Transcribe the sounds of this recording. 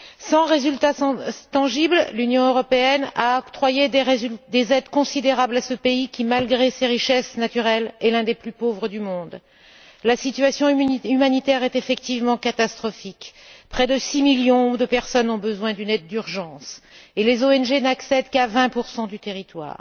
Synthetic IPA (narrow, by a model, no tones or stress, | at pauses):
sɑ̃ʁezylt̪at̪ɑ̃ʒibllynjɔ̃øʁɔpeɛna̰ɔkt̪χwajed̪ezɛd̪kɔ̃sid̪eʁablasəpeikʲimalɡʁeseʁiʃɛsnat̪yʁɛlɛlɛ̃d̪eplypovʁəd̪ymɔ̃d̪ | lasit̪ɥasjɔ̃ymanit̪ɛʁɛt̪efɛk̚t̪ivmɑ̃kat̪ast̪χɔfikpχɛd̪əsimiljɔ̃d̪əpɛʁsɔnɔ̃bəzwɛ̃d̪ynɛd̪̚ːyʁʒɑ̃selezoɛnʒenaksɛd̪kavɛ̃puʁsɑ̃d̪yt̪eʁit̪wa̰ːʁ